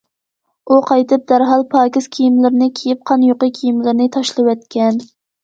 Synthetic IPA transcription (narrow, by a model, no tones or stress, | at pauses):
uqʰɑjt̪ɨp̚d̪̥æɾɦɑlˠpʰɑːkʲɪz̥kʲʰijimlɪɾnɪkʲʰejɪp̚qʰɑnjoqɨkʲʰijimlɪɾnɪt̪ʰɑʃlˠɨwɛt̪̚kʲɛn